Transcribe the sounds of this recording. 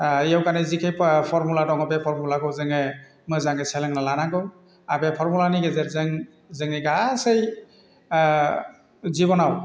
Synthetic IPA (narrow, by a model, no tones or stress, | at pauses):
jawkanɛzikʰejpʰɔɹmuladɔŋɔbɛpʰɔɹmulakɔwzɯŋɛ | mɯzaŋesɛlɛŋnalanaɡɯw | abɛpʰɔɹmulaniɡɛzɛɾzɛŋ | zeŋiɡasej | zibɔnaw